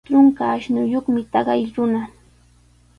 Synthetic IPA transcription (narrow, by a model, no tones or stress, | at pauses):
ɾʊŋkaːʃnʊjoχmɪt̪ɑɢɑjɾʊna